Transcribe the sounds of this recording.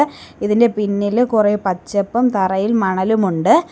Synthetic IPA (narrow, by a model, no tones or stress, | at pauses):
iðinde̞pinːilkureːpɐt͡ɕːɐpːɐmt̪ɐrɐjilmɐɳɐlumuɳɖɨ